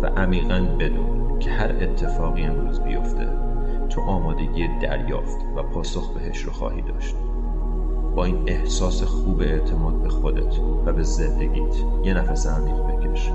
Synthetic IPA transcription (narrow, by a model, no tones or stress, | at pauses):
væ̰ʔæmiːɣænbe̞d̪uːn | cʰehæɾe̞t̪ʰːe̞fɒːɣie̞nɾuːzbijo̞̰ft̪ʰe̞̰ | t̪ʰoʔɒːmɒːd̪e̞ɡiːed̪æ̰ɾjɒ̰ːft̪væpʰɒːso̞xbeɦeʃɾoxɒ̰ːhiːd̪ɒ̰ːʃt̪̚ | b̥ɒːiːne̞hsɒːsexuːbeeʔt̪ʰemɒːd̪̚bexo̞d̪et̪ʰvæbe̞zend̪eɡiːt̪ʰ | jenæfæsæmd̪it̪bekʰeʃ